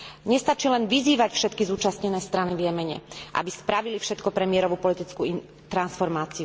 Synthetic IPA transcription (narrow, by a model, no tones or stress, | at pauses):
ɲɛst̪at͡ʃilɛnʋiziːʋacfʃɛt̪kizuːt͡ʃasɲɛnɛːst̪ɾanivjɛmɛɲɛ̰ʔa̰bispɾaʋilifʃɛt̪kɔpɾɛmɪɛɾɔʋupɔlit̪it͡skui | t̪ɾansfɔɾmaːt͡siu